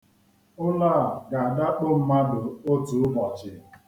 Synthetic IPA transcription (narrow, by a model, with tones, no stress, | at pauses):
ʊ˦laː˦˨ɡa˨a˨da˦k͡pʊ˦m̩˦ma˦dʊ˨o˦tu˨˦mɔ˨t͡ʃɪ˨